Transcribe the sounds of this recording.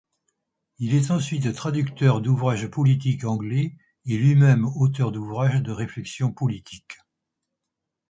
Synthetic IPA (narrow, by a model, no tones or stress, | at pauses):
ilɛt̪ɑ̃sɥit̪t̪χad̪ykt̪œʁd̪uvʁaʒpɔlit̪̬ikɑ̃ɡlɛ | elɥimɛmot̪œʁd̪uvʁaʒd̪əʁeflɛksjɔ̃pɔlit̪ʰik